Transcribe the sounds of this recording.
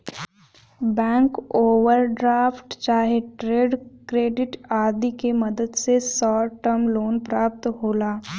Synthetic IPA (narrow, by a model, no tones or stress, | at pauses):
bɛ̃ːŋkoːʋəɾɖɾaːfʈt͡ʃaːɦeʈɾeːɖkɾeːɖɪʈaːd̪ikeməd̪əd̪sesɔːʈəmloːnpɾaːp̚t̪ɦoːlaː